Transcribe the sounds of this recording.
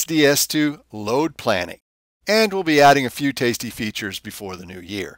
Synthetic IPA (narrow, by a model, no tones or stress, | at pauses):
sd̥iɛstʰʉloʊd̚pʰl̥æ̰nɪ̰k | ɨ̃nwɪlˠbiæɾɪ̃ŋɨfjʉtʰeɪstifit͡ʃə˞zbɨfɔɹðɨnʉjɪ̰ɹ